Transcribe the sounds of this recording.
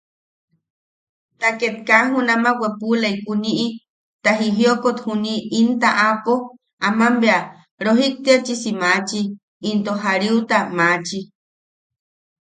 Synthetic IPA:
t̪aket̪̚kaɦunamawepulaikuniʔi | t̪aɦiɦiokot̪huniːnt̪aʔapo | amambea | ɾoɦik̚t̪iat͡ʃisimat͡ʃiː | nt̪oɦaɾiut̪amat͡ʃi

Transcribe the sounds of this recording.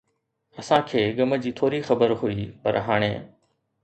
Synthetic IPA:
ɐsãkʰeːɡɐmə̆d͡ʑiːt̪ʰoːɾixɐbəɾɦʊiːpɐ̰ɾɦaːɽ̃eː

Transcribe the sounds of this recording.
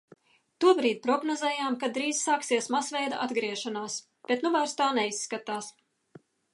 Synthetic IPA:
t̪uɔbɾiːd̪̚ʲpɾɔɡnɔzɛːjaːmkad̪ɾiːz̥saːksiɛsmasvʲɛjd̪aʔad̪ɡɾiɛʃanaːs | b̥et̪nuvajɾst̪aːnɛisːkat̪aːs

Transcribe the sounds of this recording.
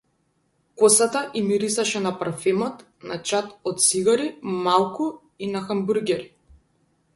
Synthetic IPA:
kɔsat̪aʔimiɾisaʃɛnapaɾfɛmɔt̪ | nat͡ʃat̪ɔt̪̚siɡaɾimalˠku | inaxambuɾɡʲɛɾi

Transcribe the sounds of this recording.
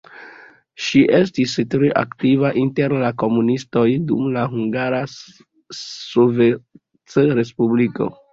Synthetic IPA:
ʃiʔe̞s̬tistɾeʔa̰ktivaʔinte̞ɾlako̞munisto̞jdṵmlaɦuŋɡaɾa | sove | t͡sɾe̞spubliko̞̰

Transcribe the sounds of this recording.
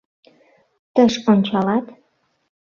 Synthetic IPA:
t̪əʃont͡ɕɑlɑt̪

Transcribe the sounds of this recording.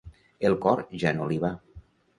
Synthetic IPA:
elˠkɔɾʒanoliβ̞a

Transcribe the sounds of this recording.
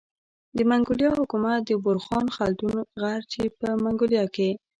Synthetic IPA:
d̪əmaŋɡʊljɑhʊkumat̪̚d̪əbʊɾxɑnxalt̪unɣaɾt͡ʃepəmaŋɡoljɑke

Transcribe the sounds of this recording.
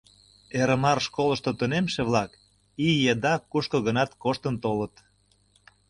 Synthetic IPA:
eɾə̆mɑrʃkoləʃt̪ot̪unemʃeβlɑk | ijed̪ɑkuʃkoɣənɑt̪koʃt̪ənt̪olət̪

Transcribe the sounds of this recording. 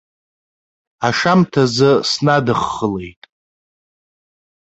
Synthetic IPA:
aʂamtʰazɨsnadɨχːəle̞̰jtʼ

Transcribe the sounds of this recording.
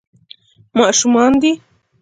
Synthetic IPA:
maʔʃumand̪i

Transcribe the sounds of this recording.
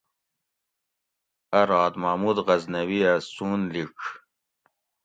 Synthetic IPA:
ɐɾɑːd̪maːmud̪ʁɐznɐwiasuːnlik

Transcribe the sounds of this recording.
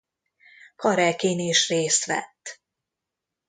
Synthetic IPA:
kɒɾɛkeːneʃreːst̪ʋɛ̰t̪ː

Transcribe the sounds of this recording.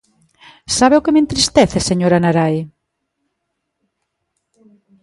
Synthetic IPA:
saβeʊkemẽnt̪ɾist̪ɛθeseɲoɾanaɾaj

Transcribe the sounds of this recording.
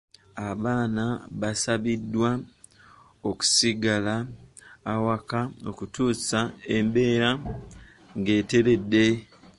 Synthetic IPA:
aβaːnaβasaβidːwa | oku̥siɡalaː | wakao̞̰kutuːsae̞mbe̞ːɾa | ŋɡe̞ːte̞ɾe̞dːe̞

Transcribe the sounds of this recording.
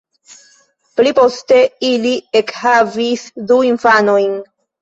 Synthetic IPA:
plipo̞ste̞iliekhavisduinfano̞jn

